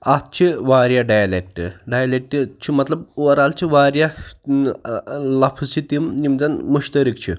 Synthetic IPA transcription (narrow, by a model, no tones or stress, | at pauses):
at̪̚t͡ɕʰiʋaɾjaɖajlek̚ʈɖajlek̚ʈit͡ɕʰimɐt̪lɐb̚ʋɐɾalt͡ɕʰiʋaɾja | lɐfʰzt͡ɕʰit̪imnimd͡zanmuɕt̪əɾikt͡ɕʰḭ